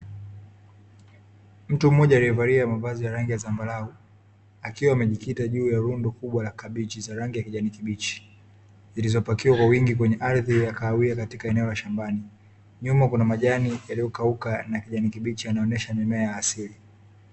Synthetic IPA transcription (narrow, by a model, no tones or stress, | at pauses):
m̩tum̩mɔʄaːliɛvaɾiamavazijaɾaŋɡijazambalau | akiwaːmɛʄikitaʄuːjaɾundɔkuɓwalakaɓit͡ʃizaɾaŋɡijakiʄanikiɓit͡ʃi̥ | zilizɔpakiwakwawiŋɡik̬wɛɲɛʔaɾðijakaːwiakatikaɛnɛɔlaʃambani | ɲumakunamaʄanijalijɔkaukanakiʄanikiɓit͡ʃianaɔnɛʃamɛmɛajaːsili